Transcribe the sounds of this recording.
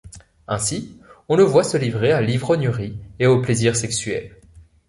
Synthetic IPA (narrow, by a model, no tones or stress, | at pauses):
ɛ̃siɔ̃ləvwasəlivʁealivʁɔnjøʁieopleziʁsɛksɥɛ̰l